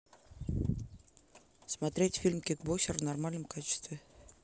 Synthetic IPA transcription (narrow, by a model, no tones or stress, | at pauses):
smɐt̪ɾʲetʲfʲilʲmkʲik̚boɕɪrvnɐrmalʲnəmkat͡ɕɪ̥st̪vʲɪ